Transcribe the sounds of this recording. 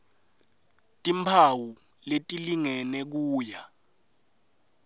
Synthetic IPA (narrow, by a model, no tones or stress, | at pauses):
tʼimpʰawu | letʼiliŋɛnɛk̬uːja